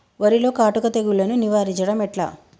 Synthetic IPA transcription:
ʋɐɾilo̞ːkaːʈukɐt̪eɡuɭːɐnuniʋaːɾit͡ʃɐɽɐmɛʈla̰

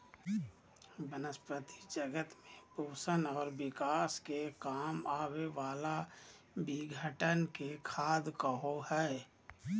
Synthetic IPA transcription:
bənəspət̪id͡ʒəɡət̪mẽpoːsənɔːɾbɪkaːskekaːmaːweʋaːla | bɪɡʱəʈənkekʰaːd̪kəɦohɛ

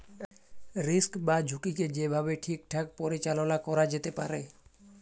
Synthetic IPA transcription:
ɾɪskbad͡ʒʱʊkiked͡ʒebʱabeʈʰik̚ʈʰak̚pɔɾit͡ʃalɔnakɔɾad͡ʒet̪epaɾe

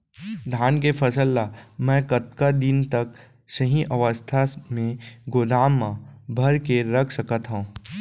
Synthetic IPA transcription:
d̪ʱaːnkepʰɐsəlːamɛ̃kət̪kad̪ɪnt̪ək | səɦĩʔɐʋəst̪ʰamẽɡod̪aːmːãbʱɐɾkeɾɐkʰsɐkət̪ɦõː

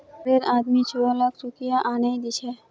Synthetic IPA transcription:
ɾeɾaːd̪mit͡ʃʰɔːlakʰɾukijaʔanaid̪it͡ʃʰe

